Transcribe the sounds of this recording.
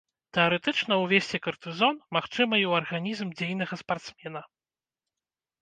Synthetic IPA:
t̪ɛɐɾɛt̪ɨt͡ʂnɐwvʲesʲt͡sʲɛkɐrt̪ɨzɔnmaxt͡ʂɨmɐiwɐrɣanʲizmd͡zʲejnɐɣɐspart̪smʲɛnɐ

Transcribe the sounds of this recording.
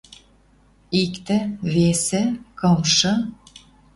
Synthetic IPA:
ikt̪ĕβesĕkɤmʃɤ̆

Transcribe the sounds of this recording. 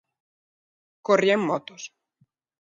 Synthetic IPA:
korjeŋmɔt̪os

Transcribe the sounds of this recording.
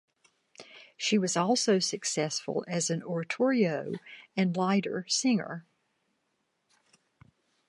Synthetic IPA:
ʃiwʌzɔlˠsoʊsɨksɛsfə̰l̩ˠɨzɨ̃nɔɹɨtʰɔɹioʊɨ̃nlaɪɾə̰˞sɪ̃ŋə̰˞

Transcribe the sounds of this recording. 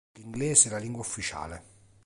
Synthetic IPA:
liŋɡlɛːzɪɛlaliŋɡwaufːit͡ʃa̰ːle

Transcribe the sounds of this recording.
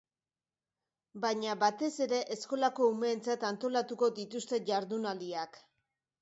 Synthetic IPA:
baɲaβat̪e̞se̞ɾe̞ʔesko̞lako̞ume̞ːnt͡sat̪ant̪o̞lat̪uko̞dit̪ust̪e̞ʝaɾðunaliak

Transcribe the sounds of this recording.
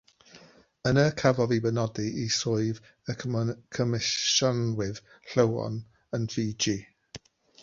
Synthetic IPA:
ənəkʰavɔðibənɔdiʔisʊjv | əkʰəmɪʃɔnwɪð | ɬəwɔ̰n | ənfiːd͡ʒi

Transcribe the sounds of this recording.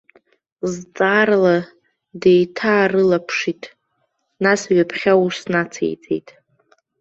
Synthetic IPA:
zt͡sʼaːrla | dejtʰaːrɨlapʰʂitʼ | nasɥapʰχʲawusnat͡sʰḛjt͡sʼḛjtʼ

